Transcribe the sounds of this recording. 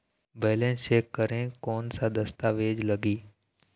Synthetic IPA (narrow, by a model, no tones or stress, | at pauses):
bəːlẽːseːkːəɾẽkoːnsad̪əst̪aːʋeːd͡ʒləɡiː